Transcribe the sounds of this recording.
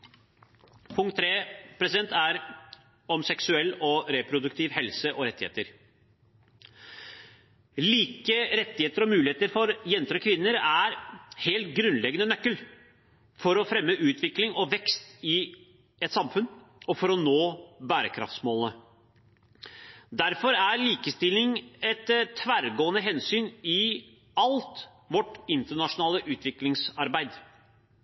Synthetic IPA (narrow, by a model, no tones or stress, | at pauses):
pʰʊŋkt̪ʰːɾeːpʰɾɛsɪd̪ɛnt̪æɾ | ɔmsɛksʉɛlːɔɾepʰɾʊd̪ʉkt̪ʰiːʋhɛlsəʔɔɾɛt̪ːɪhḛːt̪əɾ | liːkəɾɛt̪ːɪheːt̪əɾɔmʉːlɪheːt̪əɾfɔɾjɛnt̪əɾɔkʰʋɪnːəɾæɾheːlt̪̚ɡɾʉnlɛɡənənœkːəl | fɔɾɔfɾɛmːəʔʉːt̪ʰʋɪklɪŋɔʋɛkst̪ɪ | ɛt̪sɑmfʉn | ɔfɔɾɔnoːbæːɾəkʰɾɑ̰ft̪smoːlnə | d̪æɾfɔɾæɾliːkəst̪ɪlɪŋɛt̪t̪ʰːʋæːɾɡoːənəɦɛnsyːnɪ | ɑlt̪ | ʋɔʈːɪnt̪əɳɑʂʊnɑːləʔʉːt̪ʰʋɪklɪŋsɑɾbæɪd̪